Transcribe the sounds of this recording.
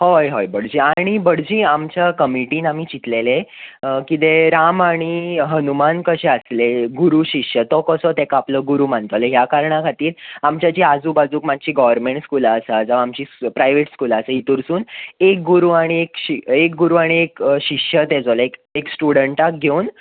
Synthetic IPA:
hojɦojbəɽ̤d͡ʑiːaɽ̃ibəɽd͡ʑiːamt͡ɕakəmiʈiːnamiːt͡ɕit̪lelekit̪eɾamaɽ̃iɦənumankəɕɛəsleɡuɾuːɕikɕət̪ɔkəsɔt̪ɛkapləːɡuɾuːmãnt̪oleɦjakaɾɳakʰat̪iːɾamt͡ɕat͡ɕiːad͡zuːbad͡zuːkmad͡ʑt͡ɕiːɡɔʋəɾmẽɳʈskulasad͡zəʋaamt͡ɕiːpɾajʋeʈskulasəit̪uɾsuːnek̚ɡuɾuːaɽ̃iekɕiek̚ɡuɾuaɽ̃iekɕikʂət̪ɛd͡zoleekeksʈuɽəɳʈak̚ɡʱeun

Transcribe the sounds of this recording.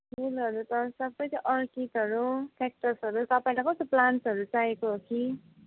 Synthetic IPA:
melʌɾut̪ʌsʌbːʌjt͡sʌ̃ʔʌrkitɦʌɾupʰek̚ʈʌrsʌɾut̪ʌpaĩlakʌst̪oplansʌɾut͡saekoɦoki

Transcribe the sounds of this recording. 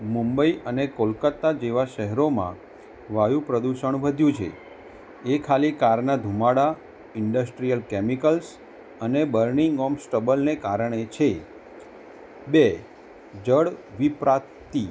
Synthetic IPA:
mũmbəiʔənekolkət̪ːad͡ʒeʋaʃɛɦɛɾomã̰ | ʋajũpɾəd̪uʃəɳ̃ʋəd̪ʱjũt͡ʃʰḛ | ekʰalikaɾnad̪ʱumaɽa | ɪɳɖəsʈɾijəlkɛmikəls | ənebəɾniŋɡɔmsʈəbəlnekaɾəɳet͡ʃʰe | be | d͡ʒəɽʋipɾa | t̪i

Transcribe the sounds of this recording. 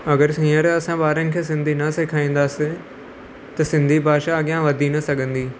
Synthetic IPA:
ɐɡəɾsĩːəɾɐsãɓaːɾənɪ̆kʰeːs̬ɪ̃nd̪ʱinɐseːkʰaːĩːn̆d̪aːsɪ | t̪ɐsɪ̃nd̪ʱibʱaːʃaːɠjãʋɐd̪ʱinɐsɐɡʱə̃nd̪iː

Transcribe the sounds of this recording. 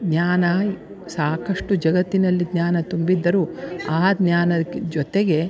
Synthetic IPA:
d̪ɲaːnɐ | saːkɐʂʈud͡ʒɐɡɐt̪ːinɐlːid̪ɲaːnɐt̪umbid̪ːɐɾuaːd̪naːnɐd͡ʒɔt̪eɡe̞

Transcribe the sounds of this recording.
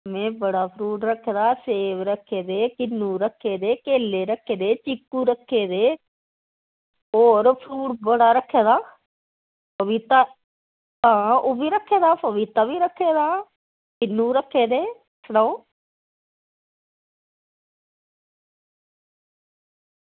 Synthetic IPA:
mẽːbəɽaːpʰɾuːʈɾəkʰːeːd̪aːseːʋɾəkʰːeːd̪eːkɪnːũːɾəkʰːeːd̪eːkeːlːeːɾəkʰːeːd̪eːt͡ʃɪkːuːɾəkʰːeːd̪eː | oːɾpʰɾuːʈbəɽaːɾəkʰːeːd̪aː | pəʋit̪aː | t̪ãːoːbʱiːɾəkʰːeːd̪aːpəʋit̪aːbiːɾəkʰːeːd̪aː | kɪnːũːɾəkʰːeːd̪eː | səɽãoː

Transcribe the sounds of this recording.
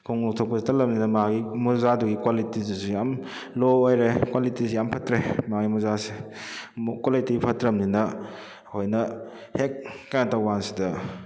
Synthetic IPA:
kʰoŋlok̚tʰok̚pɐsitɐlɐmninɐmaɡimuzaduɡikwalitizisujam | loojɾekwalitisejampʰɐtɾemaɡimuzase | kwalitipʰɐtɾɐmninɐ | hojnɐ | hekːajnatɐwɡansidɐ

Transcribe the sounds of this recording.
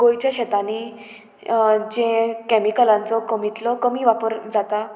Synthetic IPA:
ɡojt͡ɕjaɕɛt̪ani | d͡ʑẽkɛmikəlãnt͡sɔkəmit̪lɔkəmiːʋapəɾd͡zat̪a

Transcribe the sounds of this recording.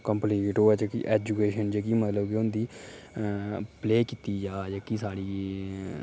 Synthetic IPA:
kəmplikʈoːt͡ʃkḭʔɛːd͡ʒukeːʃənd͡ʒekiːmət̪ləbkɪʊnd̪iː | pleːkiːt̪iːd͡ʒaːd͡ʒaːkisaːɽiː

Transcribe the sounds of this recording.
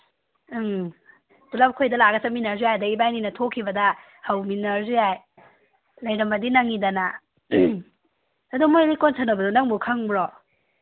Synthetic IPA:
dulap̚kʰojdɐlaɡɐsɐminɐɾzujajdɐibajninɐtʰokʰːibɐdɐ | hɐwminɐɾzujaj | lɐjɾɐmbɐdinɐŋidɐna | ɐdumojlikonsɐɾnɐbɐdunɐŋbukʰɐŋbɾɔ

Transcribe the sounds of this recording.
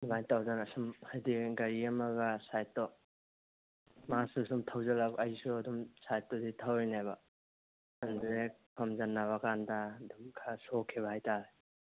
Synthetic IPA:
majtawdanasumhajdiɡɐɾiɐmɐɡasajtːɔ | masusumtʰawzalakɐjsuɐdumsajtːɔditʰawejnajba | andɾek̚pʰɐmzanːabakandadumkʰasokʰiβɐhajtaɾe

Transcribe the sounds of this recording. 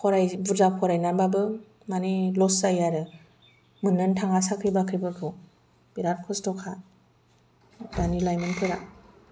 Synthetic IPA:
kʰɔɾajbuzakʰɔɾajnanbabɯ | manilɔsajaɾɯ | mɯnɯntʰaŋasakʰɯjbakʰɯjbɯkʰɯw | b̥iɾaɾ̚kʰɔsdɔkʰa | banilajmɯnpʰɯɾa

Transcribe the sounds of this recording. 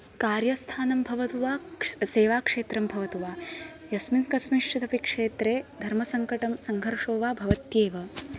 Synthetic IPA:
kaːɾjɐst̪ʰaːnɐmbʱɐʋɐt̪uʋaːseːʋaːkʂeːt̪ɾɐmbʱɐʋɐt̪uʋaː | jɐsminkɐsmiʂʈʰit̪ɐpikʂeːt̪ɾeːd̪ʱɐɾmɐsɐŋkɐʈɐmsɐŋɡʱɐɾʂoːʋaːbʱɐʋɐt̪jeːʋɐ

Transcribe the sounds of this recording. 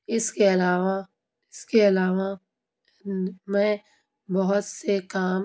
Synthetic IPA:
ɪskeɐlaːʋa | ɪskeɐlaːʋa | mɛ̃ | bɔɦʊt̪sekaːm

